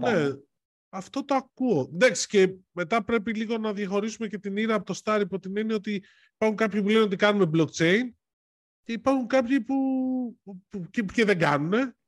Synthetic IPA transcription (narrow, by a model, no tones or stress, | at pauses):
ne | ɐft̪o̞t̪oɐkuo̞d̪ɐksi̥ce̞me̞t̪ɐpɾe̞piliɣo̞nɐðjɐxo̞ɾisume̞ce̞t̪iniɾɐːpot̪o̞st̪ɐɾipot̪inenio̞t̪i | ipɐɾxuŋkɐpçipule̞neo̞t̪ikɐnume̞blokt͡ʃe̞in | ce̞ipɐɾxuŋkɐpçipu | ucece̞ðe̞ɡɐnune̞